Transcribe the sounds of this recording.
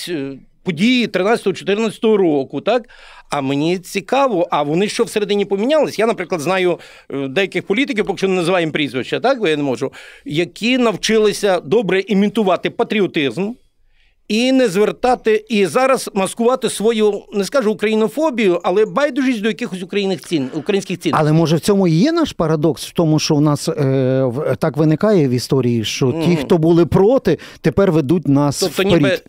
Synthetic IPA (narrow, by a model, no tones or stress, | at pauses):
pɔdʲijit̪ɾɪnɑt͡sʲɐt̪ɦɔt͡ʃɔ̥t̪ɪrnɐt͡sʲɐ̥t̪ɔɦɔɾɔkʊt̪ɑkɐmenʲit͡sʲikɑʋɔʔɐʋɔnɪʃt͡ʃɔwseɾed̪ɪnʲipɔmʲinʲalˠɪsʲjanɐpɾɪklˠɐd̪znɑjʊ | d̪ɛjɐkɪxpɔlʲit̪̬ɪk̬ʲiwpɔkɪʃt͡ʃɔnɪnɐzɪʋɑjɪmpɾʲizʋɪʃt͡ʃːɐt̪ɑkʋɪjnemɔʒʊjɐkʲʰinɐwt͡ʃɪlˠɪsʲɐd̪ɔbɾɛʔimʲit̪ʊʋɑt̪ɪpɐt̪ɾʲiɔt̪ɪzm | inɛzʋert̪ɑt̪ɪizɑɾɐzmɐskʊʋɑt̪ɪsʋɔjunɛskɑʒʊːkɾɐjinɔfɔbʲijʊʔɐlˠɛbɑjd̪ʊʒisʲd̪ɔjɐkɪxɔsʲʊkɾɐjinɪxʲinʊkɾɐjinʲsʲkʲɪxt͡sʲinɐlˠɛmɔʒɛwt͡sʲɔmʊjɛnɑʃpɐɾɐd̪ɔksw̥t̪ɔmʊʃt͡ʃɔwnɑs | t̪ɑkʋɪnɪkɑjɛʋist̪ɔɾʲijiʃt͡ʃɔtʲixt̪ɔbulˠɪpɾɔt̪ɪt̪epɛrʋed̪ut̚ʲnɑsɔpt̪ɔnʲɾʲi